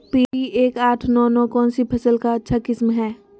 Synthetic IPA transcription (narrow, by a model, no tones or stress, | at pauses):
piːiʔeːkaːʈʰnɔːnɔːkɔːnsipʰɐsəlkaɐtːʃʰakɪsmɦɛː